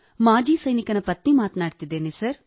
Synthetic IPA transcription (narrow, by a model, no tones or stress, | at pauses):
mãːd͡ʒiːsəinɪkɐnɐpɐt̪nimaːt̪naːʈt̪id̪eːnesəɾ